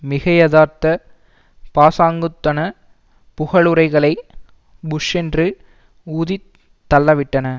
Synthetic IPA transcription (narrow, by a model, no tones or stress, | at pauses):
mɪɣɐjɐðaːɾt̪ɐ | paːsaːŋɡɯt̪ːɐnɐ | pʊɣɐɭɯɾɐɪɣɐɭɐɪ | bʊʂɛndrɯ | uːði | t̪ːɐlːɐʋɪʈːɐnɐ